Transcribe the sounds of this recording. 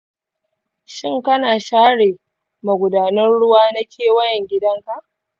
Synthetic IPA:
ʃɪ˦ŋkɐ˦naː˨ʃaː˦ɽeː˨ | ma˨ɡʷʊ˨daː˨nɐ˦nɽʊ˦waː˦nɐ˦kʲʰeː˦˨wɐ˦jɛ˨ŋɡʲɪ˦dɐ˦ŋka˦˨ʔ

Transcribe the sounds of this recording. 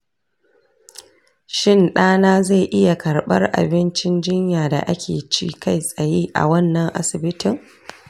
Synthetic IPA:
ʃɪ˦˨nɗaː˦naː˦za˦˨ʔɪ˦ja˨kɐ˨rɓɐ̰˦rʔa̰˨bɪ˦nt͡ʃɪ˦nd͡ʒɪ˦ɲjaː˨da̰˨ʔa̰˦kʲʰḛː˨t͡ʃḭː˦ka˦˨jsʼɐ˨jeː˦ʔa̰˨wɐ˦nːɐ˨ŋʔa̰˦sɪ˨bɪ˦tʰɪ˨ŋ

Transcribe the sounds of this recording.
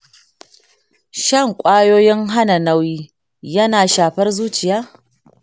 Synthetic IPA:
ʃɐ˦˨ŋkʷʼaː˦joː˦jɪ˦ŋɦa˦na˨nɐ˦wjiː˦ | jɐ˦naː˨ʃaː˨ɸɐ˦rzuː˦t͡ʃɪ˨jaː˦

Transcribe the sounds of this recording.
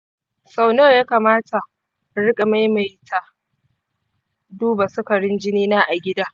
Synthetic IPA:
sa˦wnoː˦jaː˦kaː˨maː˦tʰa˨ | ɽɪ˦kʼa˨ma˦jma˨jtʰa˨ | duː˦ba˨sʊ˦kɐ˨ɽɪ˦nd͡ʒɪ˦niː˦naː˦ʔa˨ɡʲɪ˦daː˦

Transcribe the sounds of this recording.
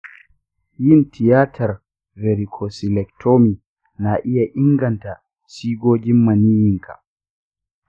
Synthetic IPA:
ji˦ntʰi˨jaː˦tʰa˨ɾ | vɛɾikʰɔsilɛktʰoː˦mi˨ | naʔi˦jaʔi˦ŋɡanta | siː˦ɡoː˦d͡ʒi˦mːa˨ni˦jiŋkʰa̰

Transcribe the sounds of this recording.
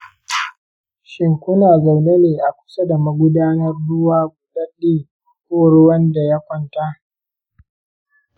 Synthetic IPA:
ʃɪ˨ŋkʷʊ˦naː˨za˨wne˦neː˨ʔa˨kʷʊ̥˨sa˦da˨ma˨ɡʷʊ˦daː˦nɐ˦rdʊ˦waː˦ɡʷʊ˦ɗa˦ɗiː˦˨ | kʷoː˦˨ɽʊ˦wɐ˦nda˨ja˦kʷɔ˦˨nta˦ʔ

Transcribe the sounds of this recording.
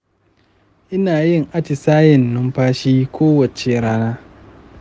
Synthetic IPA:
ʔɪ˦naː˨jɪ˦ŋʔa˦t͡ʃi˨saː˦jɪ˨nːʊ˦mɸaː˦ʃiː˦kʷoː˦wɐ˨t͡ʃe˦ɽaː˦naː˦

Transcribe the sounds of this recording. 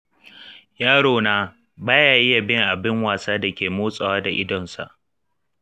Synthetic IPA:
jaː˦ɽoː˨naː˦ | baː˦jaː˨jɪ˦ja˨bɪ˦ŋʔa˨bɪ˦ŋwaː˨saː˦da˨kʲeː˨moː˦sʼɐ˨waː˦da˨ʔɪ˦dɔ˨nsa̰˨ʔ

